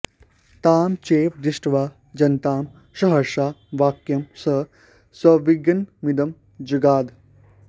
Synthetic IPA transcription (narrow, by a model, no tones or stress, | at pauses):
t̪aːmt͡ʃeːpd̪iʃʈʋaː | d͡ʒɐnt̪aːm | ʃɐɦɐɾʃaːʋaːkjɐmsɐ | sɐʋiɡɐnmid̪ɐm | d͡ʒiɡaːd̪